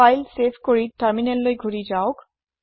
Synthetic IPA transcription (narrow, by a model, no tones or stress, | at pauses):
ajlsepʰkoɹiʈaɹminelːojɡʱuɾid͡ʑaok